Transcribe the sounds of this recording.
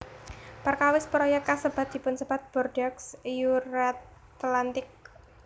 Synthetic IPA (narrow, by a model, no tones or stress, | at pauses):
pərkawɪspəɾojakasəb̥at̪̚d̪̥i̤pʊnsəb̥at̪̚b̥ɔrdaksjuɾat̪ | t̪lant̪ɪk̚